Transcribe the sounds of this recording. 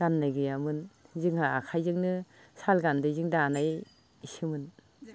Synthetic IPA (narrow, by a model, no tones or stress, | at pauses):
ɡ̥anːajɡɯjamɯnzɯŋhaakʰajzɯŋnɯ | salɡandɯzɯŋdaːnaj | sɯmɯn